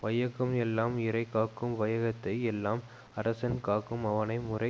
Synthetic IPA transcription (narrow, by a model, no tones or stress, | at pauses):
ʋɐjɐɣɯmɛlːaːmɪɾɐɪkaːkːɯmʋɐjɐɣɐt̪ːɐɪɛlːaːm | ɐɾɐsɐnkaːkːɯmɐʋɐnɐɪmʊrɐɪ